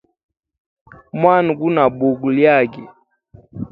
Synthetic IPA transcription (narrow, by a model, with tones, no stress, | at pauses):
mwa˦n˨ɡu˦na˨bu˨ɡu˨lja˦˨ɡɛ˨